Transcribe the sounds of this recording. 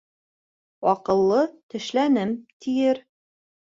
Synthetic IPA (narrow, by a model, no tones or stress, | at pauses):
wɑqɤ̆lˠːɤt̪ɘ̆ʃlænɘmt̪ʰijɘɾ